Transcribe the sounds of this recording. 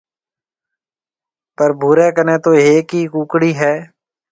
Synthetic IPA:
pəɾbʱuːɾɛːkəneːt̪oːeːkiːkũːkɽiːɦɛː

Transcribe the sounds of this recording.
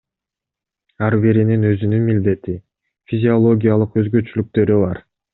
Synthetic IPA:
ɑɾbeɾininø̞zynynmild̪e̞t̪i | fʲizʲio̞lˠo̞ɡʲijalˠɯqø̞zɡø̞t͡ʃylyk̚t̪ø̞ɾyβɑɾ

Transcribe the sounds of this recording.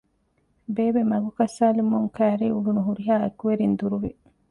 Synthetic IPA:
beːbemɐɡukɐsːaːlimuŋkæːɾiːuɡunuɦuɾiɦaːekuʋeɾind̪uɾuʋe

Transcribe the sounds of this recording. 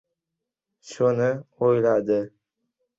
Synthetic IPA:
ʃonɪojlad̪ɪ

